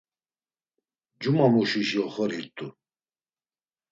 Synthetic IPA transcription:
d͡ʒumamuʃiʃjɔχɔɾiɾt̪ʼu

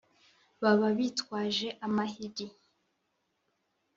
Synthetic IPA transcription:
βaβaβitkwaːʒe̞ʔamaɦiɡi

